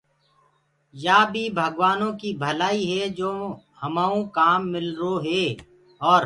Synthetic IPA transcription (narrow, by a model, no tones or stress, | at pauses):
jaːbʱibʱəɡwaːnõkibʱəlaːiɦɛd͡ʒoː | hɐmaːõkaːmːɪlɾoɦeː | ɔːɾ